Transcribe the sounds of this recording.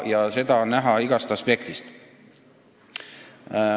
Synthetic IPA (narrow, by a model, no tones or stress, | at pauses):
jɑse̞d̪̥ɑnæɦɑiɡ̥ɑst̪ɑspe̞k̚t̪ist̪